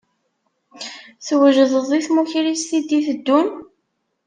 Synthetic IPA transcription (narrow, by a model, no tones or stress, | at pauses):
θwəʒəðˤəðˤiθmuçɾist̪id̪iθəd̪ːun